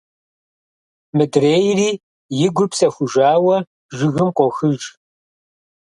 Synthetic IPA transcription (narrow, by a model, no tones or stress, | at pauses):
mɨdreːjriː | jɪɡʷʊpʰsɐxʷʊʒaːwɐ | ʒɪɣɨmqʷɔxɨʒ